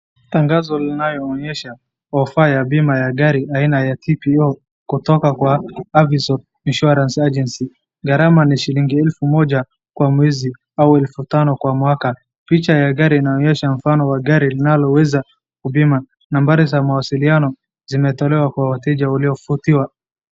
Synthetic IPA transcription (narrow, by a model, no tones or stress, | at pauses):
taŋɡazɔlinajɔːɲɛʃa | ɔfajaɓimajaɠaɾiainajatʰipiɔ | kutɔkakwaavizɔ | inʃɔɾansad͡ʒɛnsi | ɡaɾamaniʃiliŋɡiɛlfumɔʄa | kwamwɛzi | auɛlfutanɔkwamwaka | pit͡ʃajaɠaɾiːnaɔɲɛʃam̩fanɔwaɠaɾilinalɔwɛza | kuɓima | nambaɾizamawasilianɔ | zimɛtɔlɛwakwawatɛʄauliɔfutiwa